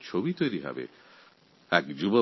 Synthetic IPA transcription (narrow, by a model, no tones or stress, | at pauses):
t͡ʃʰobit̪ojɾiɦɛ̰bḛ | ɛkd͡ʒubo